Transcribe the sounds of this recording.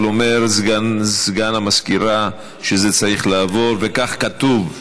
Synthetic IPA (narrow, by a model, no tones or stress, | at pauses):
lomeɾzɡazɡanamaskiɾa | ʃezet͡saʁiχlaːvo̞ɾvekaχkat̪uv